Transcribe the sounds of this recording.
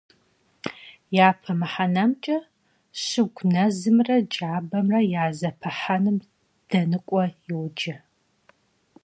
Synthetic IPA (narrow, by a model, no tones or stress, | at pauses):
jaːpʰɐmɨħanɐmt͡ʃʼɐ | ɕɪɡʷnɐzɨmrɐd͡ʒʼaːbɐmrɐjaːzɐpʰɐħanɨm | d̥ɐnɨkʷʼɔjɪwd͡ʒɐ